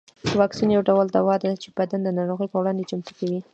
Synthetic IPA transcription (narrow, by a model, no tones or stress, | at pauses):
wɑksinjawɖawəld̪awɑd̪ad̪at͡ʃebad̪and̪ənɑɾoɣəjpəwɽɑnd̪et͡ʃamt̪u̥kawi